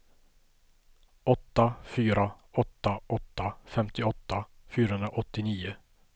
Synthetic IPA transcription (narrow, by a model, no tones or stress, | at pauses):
ɔt̪ːafyːɾa | ɔt̪ːaʔɔt̪ːafɛmt̪ɪɔt̪ːafyːɾahɵnɾaʔɔt̪ːɪniːʊ